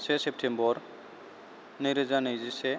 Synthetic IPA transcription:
sesep̚ʈʰembɔɾ | nejɾezanejzise

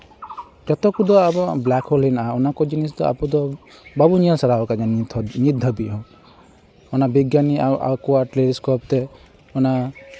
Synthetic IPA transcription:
d͡ʒɔt̪ɔkud̪ɔabɔblakhɔlinaɔnakɔd͡ʒinis̬d̪ɔa̰pud̪ɔbabuɲiɔlsaɾaɔkad͡ʒaɲid̪ʱɔbiɦɔ̃ | ɔnabiɡjaniawʔa̰wkuwaʈleɾiskɔp̚t̪e | ɔna

